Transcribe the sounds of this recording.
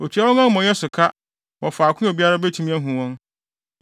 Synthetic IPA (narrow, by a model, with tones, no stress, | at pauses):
o˨tʰɥa˦wɔ˦ŋã˦mɔ̃˨jɛ˦sʊ˨kʰa˦ | wɔ˨faː˨kʰʊ̃˦o˨bi˦a˦ɾa˦be˦tʰĩ˦mĩ˦æ˦ɦũ˨wɔ̃˦n